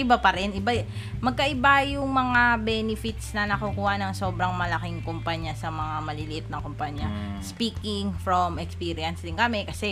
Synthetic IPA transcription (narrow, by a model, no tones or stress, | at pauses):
ʔɪbapɐɾɛnɪba | mɐɡ̚kɐʔɪbajʊŋmɐŋabɛnɪfɪt̪snɐnɐkukuːhɐnɐŋso̞ːbɾɐŋmɐlɐkɪŋkʊmpaɲasɐmɐŋamɐlɪlɪʔɪt̪̚nɐŋkompaɲjɐ | spiːkɪŋfɹomɛkspiːɾɪɐnsd̪ɪnkɐmɛkɐsɛ